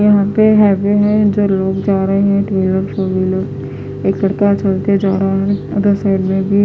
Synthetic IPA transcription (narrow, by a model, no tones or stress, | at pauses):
jɐɦãpeɦɛːʋeɦɛ̃d͡ʒoːloːɡd͡ʒaːɾəɦeɦɛ̃ʈɾeːləɾʃoːbiloːɡ | eːklɐɽkat͡ʃɐlt̪ed͡ʒaːɾaaɦɐɡ̪əɾsaːɪɖmẽbʱi